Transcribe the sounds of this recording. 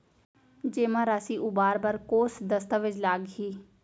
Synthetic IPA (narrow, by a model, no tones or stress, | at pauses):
d͡ʒeːmãːɾaːsiːʔuːbaːɾbaːɾkoːsd̪əst̪aːʋɪt͡ʃlaːɡɦiː